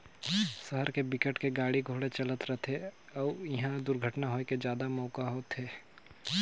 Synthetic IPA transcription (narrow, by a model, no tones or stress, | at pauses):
səɦəɾkebɪkəʈkeɡaːɽiɡʱoːɽet͡ʃɐlət̪ɾət̪ʰeɔːjɐɦãd̪ʊɾɡʱəʈnaɦoːeked͡ʒjaːd̪amɔːkaɦoːt̪ɦeː